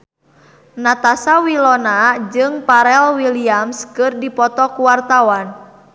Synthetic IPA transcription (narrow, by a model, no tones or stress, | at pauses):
nat̪asawilɔnad͡ʒɨŋpaɾɛlwiliamskɨrdipɔt̪ɔkuwart̪awan